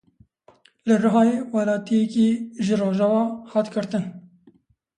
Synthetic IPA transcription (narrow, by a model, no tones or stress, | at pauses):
lɨrɨɦɑːjewɑlɑːt̪ijɛkiːʒɨroːʒɑːwɑːhɑːt̪ɡɨɾt̪ɨn